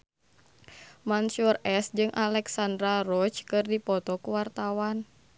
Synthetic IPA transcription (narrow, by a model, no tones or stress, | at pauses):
mansurɛsd͡ʒɨŋʔalɛksand̪ɾarɔt͡ʃkɨrdipɔt̪ɔkuwart̪awan